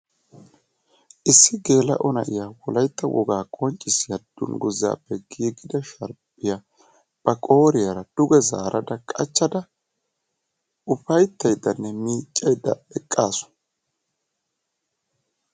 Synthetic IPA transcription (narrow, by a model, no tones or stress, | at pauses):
ʔɪsːɪɡe̞ːlɐ̰ʔɔnɐʔɪjawɔlɐjt̪ːɐwʔɔ̰ɡaːkʼɔnt͡ʃʼːɪsɪjad̪̥ʊ̰nɡʊzːa̰ːpːɛɡiːɡɪd̪ɐʃɐɾpʼːɪja | b̥ɐkʼo̞ːɾɪjaɾɐd̪̥ʊɡɛza̰ːɾʔɐd̪ɐkʼɐ̰t͡ʃːɐd̪ɐ | ʊpɐjt̪ːɐjd̪ːɐnːɛmiːt͡ʃʼːɐjd̪ːɐ̰ɛkʼːaːsʊ̥